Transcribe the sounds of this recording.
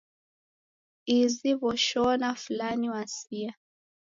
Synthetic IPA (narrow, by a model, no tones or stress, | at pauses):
iziβɔʃɔnafulaniwasia